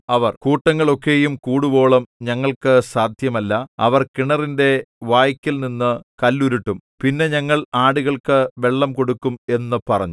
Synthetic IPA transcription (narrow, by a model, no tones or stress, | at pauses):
ɐʋɐrkuːʈːɐŋːɐɭokːe̞ːjumkuːɽubo̞ːɭɐmɲɐŋːɐɭkɨsaːd̪ʱjɐmɐlːɐɐʋɐrkiɳɐrinde̞ʋaːjikʲːilninːɨkɐlːuɾiʈːumpinːe̞ɲɐŋːɐɭaːɽuɣɐɭkɨʋe̞ɭːɐmko̞ɽukːume̞nːɨpɐrɐ̰ɲːu